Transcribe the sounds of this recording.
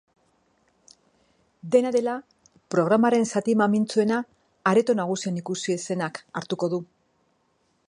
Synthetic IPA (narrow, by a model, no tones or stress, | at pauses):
d̪e̞naðe̞la | pɾo̞ɣ̞ɾamaɾe̞nsat̪imamint͡sue̞naː | ɾe̞t̪o̞naɣ̞usienikusie̞se̞nakaɾt̪uko̞ðu